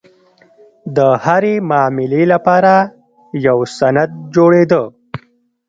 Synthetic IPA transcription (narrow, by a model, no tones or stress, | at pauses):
d̪əhaɾemɑːmɪlelapɑɾa | jawsanad̪̚d͡ʒoɽed̪ə